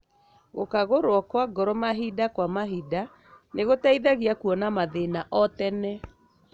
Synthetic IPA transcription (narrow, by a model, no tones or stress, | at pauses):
ɣokaɣoɾwɔkwaɡɔɾɔmaɦidakwamaɦida | neɣotaiðaɣiakuɔnamaðenaʔɔtɛnɛ